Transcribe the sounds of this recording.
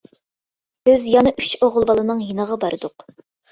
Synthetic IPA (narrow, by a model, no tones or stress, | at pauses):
b̥ɪzjɑnɑʔyt͡ʃoʁʊlˠbɑlˠɨnɨŋjinəʁɑbɑɾʔɨd̪ʊq